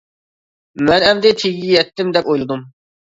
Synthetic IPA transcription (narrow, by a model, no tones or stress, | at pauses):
mɛnɛmd̪ɪt̪ʰeɡʲijɛt̪ːɪmd̪ɛpojlˠɨd̪um